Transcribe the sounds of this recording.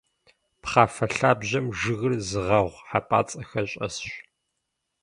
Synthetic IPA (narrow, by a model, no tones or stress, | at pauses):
pχaːfɐɬaːbʑɐmʒɨɣɨrzɨʁɐʁʷħapʼa̰ːt͡sʼɐxɐɕʼɐ̰sɕ